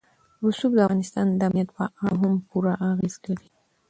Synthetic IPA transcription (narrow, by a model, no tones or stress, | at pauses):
ɾusubd̪əaɣɑnɪst̪ɑnd̪əamnjat̪̚pəʔaɦampuɾaʔaɣezkəɽi